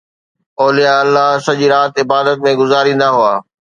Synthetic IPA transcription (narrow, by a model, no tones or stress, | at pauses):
ɔːlijaɐlːaɦsɐʄiɾaːt̪ɪbaːd̪ət̪̚mẽɡʊzaːɾĩːn̆d̪aɦʊaː